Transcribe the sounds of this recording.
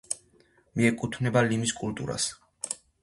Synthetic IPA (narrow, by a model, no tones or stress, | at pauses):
miɛkʼut̪ʰvnɛbalimiskʼult̪ʼṵɾa̰s